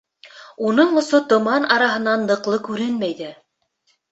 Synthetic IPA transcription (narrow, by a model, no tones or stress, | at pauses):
unɤɴŏsot̪ŏmɑnɑɾɑɦɤ̆nɑnːɤ̆qlˠɤkʉɾɘnmæjðæ